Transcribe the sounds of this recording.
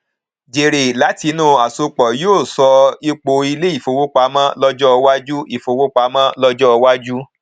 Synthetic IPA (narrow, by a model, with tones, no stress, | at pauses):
d͡ʒe˨ɾe˨la˨˦ti˨˧˦nũ˦˨a˨so˧k͡pɔ˨joː˦˨sɔ˧i˦k͡po˧i˧le˦i˦˨fo˨˧wo˦k͡pa˧mã˦lɔ˦d͡ʒɔ˦˧wa˦d͡ʒu˦i˦˨fo˧wo˦k͡pa˧˦mã˦lɔ˦d͡ʒɔ˦ɔ˧wa˦d͡ʒu˦